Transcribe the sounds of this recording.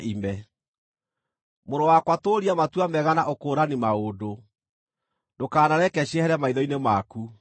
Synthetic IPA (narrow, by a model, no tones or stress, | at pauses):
ʔimɛ | moɾowakwatoɾiamatuamɛɣanaʔokoːɾanimaodo | dokaːnaɾɛkɛɕɛhɛɾɛmaiðɔinemaku